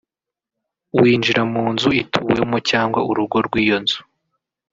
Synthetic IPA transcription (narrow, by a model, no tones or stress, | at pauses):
wiːnd͡ʒiɾamuːnzuitʰuːwemocaːŋɡwauɾuɡo̞ɾɡwiːjo̞nz̥u̥